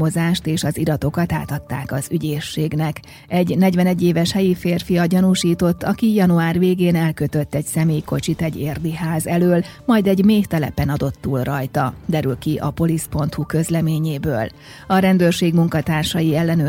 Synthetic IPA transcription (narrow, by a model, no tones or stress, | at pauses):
o̞zaːʃt̪eːʃɒziɾɒt̪o̞kɒt̪a̰ːt̪ɒt̪ːa̰ːkɒzyɟeːʃːeːɡnɛk | ɛɟnɛɟʋɛnɛɟːeːvɛʃhɛjifeːrfijɒɟɒnuʃiːt̪o̞t̪ːɒkijɒnuaːrveːɡeːnɛlkø̞t̪ø̞t̪ːɛɟsɛmeːjko̞t͡ʃit̪ɛɟːeːrd̪iɦaːzɛløːlmɒjd̪ɛɟmeːht̪ɛlɛ̰pɛnɒd̪o̞t̪ːuːlrɒjt̪ɒd̪ɛɾylkiʔɒ̰po̞lispo̞nt̪hukø̞zlɛmeːɲeːbøːl | ɒɾɛnd̪øːrʃeːɡmuŋkɒt̪aːrʃɒjiɛlːɛnø